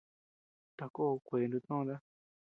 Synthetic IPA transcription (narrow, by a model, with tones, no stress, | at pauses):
t̪a˨ko˦˧kʷeː˨˦nd̪ũ˧t̪nõ˦˧d̪a˦